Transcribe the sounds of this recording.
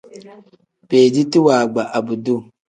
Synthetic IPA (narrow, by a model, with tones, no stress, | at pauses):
peː˨di˦ti˦waː˨ɡ͡ba˨ʔa˨bu˨du˦˨